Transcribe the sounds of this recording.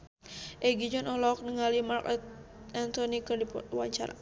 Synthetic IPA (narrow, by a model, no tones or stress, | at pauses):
ʔɛɡid͡ʒɔnɔlɔk̚nəŋalimarkt̪̚ | ɛnt̪ɔnikɨrdipwa̰ɲt͡ʃaɾa̰